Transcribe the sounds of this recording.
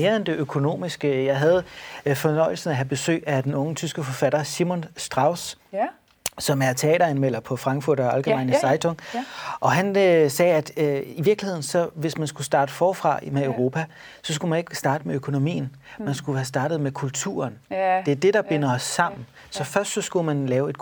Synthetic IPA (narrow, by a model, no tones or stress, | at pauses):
me̝ːɐend̥e̝ʔøkʰo̝no̝̰ːmisɡ̥əjɑ̈ɪɦæð̞̩ˠfɒ̽nɒ̽ɪ̰l̩sn̩æɦæb̥e̝sø̰ːɪæd̥enɔ̽ŋət͡sʰysɡ̥əfɒ̽fæɾ̥ɐsimonsd̥ʁɑ̈ʊs | ɒ̽mæɐt͡sʰe̝ɛ̰ːɾɐænmel̰ɐpʰɒ̽fʁɑ̈ŋɡ̥fuɐ̰ɾ̥ɒælɡ̥əmɑ̈ɪnəsɑ̈ɪt͡sʰɔŋʔɒ̽ɦænsɛːæd̥øiʋiɐɡ̥lihe̝ð̰ˠn̩sɒ̽ʋe̝smænsɡ̥usd̥ɑ̈ːd̥əfɒːfʁɑ̰̈meøʊʁo̝ːpʰæ | sɒ̽s̬ɡ̥umæne̝ɡ̥sd̥ɑ̈ːd̥əmeøkʰo̝no̝mḭːn̩ | mænsɡ̥uhæsd̥ɑ̈ːd̥ð̩ˠmekʰult͡sʰṵːɐnd̥e̝æɐd̥e̝ɾ̥ɑ̈b̥e̝nɐɒsːɑ̈m̰n̩ | sɒ̽fɶɐsd̥sɒ̽sɡ̥umænlɛːʊe̝d̥̚